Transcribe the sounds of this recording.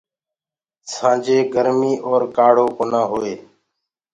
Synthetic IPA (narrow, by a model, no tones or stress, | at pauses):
sãːd͡ʒeːɡəɾmiːʔɔːɾkaːɽ̤oːkonãːɦoːeː